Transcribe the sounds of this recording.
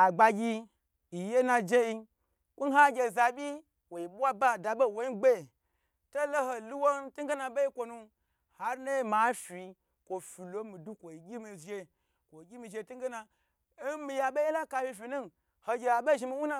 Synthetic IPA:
a˨ɡ͡ba˧ɡʲi˧ | i˨je˦na˧d͡ʒe˦ji˧ | kʷu˦ɦa˦ɡʲe˧˨za˨bʲi˦ | wo˨i˨ɓʷa˦ba˦˨da˨ɓo˦˨wo˨˦i˦ɡ͡be˦˨ | to˦lo˦ɦo˧lu˦wo˦ntu˦ɡe˦na˧ɓe˦i˦kʷo˧nu˧ | ha˨ɾna˦i˦ma˨˦fi˧ | kʷo˨fi˨lo˦mi˨du˦kʷo˨i˨ɡʲi˦mi˧ʒe˧ | kʷo˨ɡʲi˦mi˧˨ʒe˧tu˦ŋ˦ɡe˦na˧˦ | mi˧ja˨ɓe˦e˦la˦ka˧fʲi˧fi˨nu˦n | ho˧ɡʲe˨a˨ɓe˦˨ʒi˧mi˧˦wu˦na˦˧

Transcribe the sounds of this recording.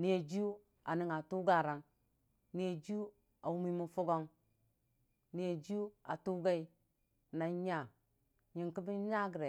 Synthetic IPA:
ni˨e˨d͡ʒu˦ | a˨ni˦ŋa˨tu˦ɡa˦˨ɾa˨ŋ | ni˨e˨d͡ʒu˦ | a˨wu˦mi˦mu˦fu˦ɡo˦ŋ | ni˨e˨d͡ʒu˦a̰˨tu˦ɡa˦i˦ | na˨ɲa˦˨ | ɲi˨ŋki˦bi˦ɲa˦ɡɾe˨

